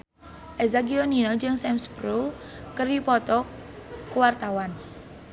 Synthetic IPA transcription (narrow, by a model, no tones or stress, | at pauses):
ʔɛzaɡiɔninɔd͡ʒəŋsɛmspɾul | kəripɔt̪ɔkwart̪awan